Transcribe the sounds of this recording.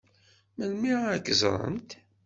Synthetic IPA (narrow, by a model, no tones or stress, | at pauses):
məlmikːzˤɾˤə̰nt̪